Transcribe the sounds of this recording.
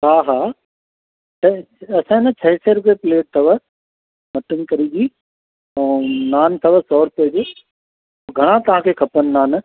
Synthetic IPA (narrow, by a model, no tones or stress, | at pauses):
ɦaːɦaː | tɐ | ɐsãɪnɐt͡ɕʰɐɦɪseɾʊpiepɪleːʈ̚t̪ʰɐʋə | mɐʈənɪ̆kɐɾid͡ʑiː | ɛ̃ːnaːnt̪ʰɐʋəsɔːɾʊped͡ʑʊ | ɡʱɐɽ̃ãt̪ɐʋɦãːkʰeːkʰɐpənɪ̆naːn